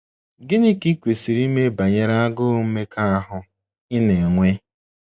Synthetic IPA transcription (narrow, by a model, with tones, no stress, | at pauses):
ɡɪ˦ni˦ki˦kʷe˨si˨ɾi˦me˦ba˨ɲe˨ɾa˦a˦ɡʊ˦m̩˦me˦ka˦a˦ɦʊ˨ | ɪ˦ne˨ŋʷe˦